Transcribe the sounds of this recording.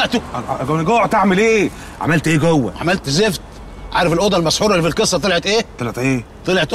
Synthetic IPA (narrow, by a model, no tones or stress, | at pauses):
ʔt̪uʔʔɡæwnɡoːʕt̪eʕmelʔeː | ʕa̰mælt̪ʔeːɡowːæ̰ʕa̰mælt̪zeft̪ | ʕaːɾefelʔod̪ɑlmæsħuːɾˤlːifilkesˤːɑt̪ˤelʕet̪ʔeːt̪ˤelʕet̪ʔeː | t̪ˤelʕet̪ʔ